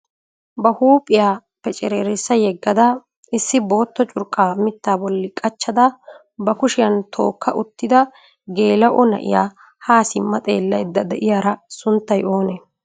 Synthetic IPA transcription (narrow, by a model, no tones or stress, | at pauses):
bɐhuːpʼɪjaː | pɛt͡ʃʼɛɾeːɾɪsːɐjɛɡːɐd̪ɐ | ɪsːɪbo̞ːt̪ːɔt͡ʃʼʊɾkʼːaːmɪt̪ːaːbɔlːɪkʼɐt͡ʃːɐd̪ɐ | bɐkʊʃɪjɐnt̪ʰo̞̰ːkːɐʔʊt̪ːɪd̪ɐ | ɡe̞ːlɐʔɔnɐ̰ʔɪ̰ja̰ː | haːsɪmːɐt̪ʼḛːlːɐjd̪ːɐd̪ɛʔɪjaːɾɐsʊnt̪ːɐjo̞ːnɛ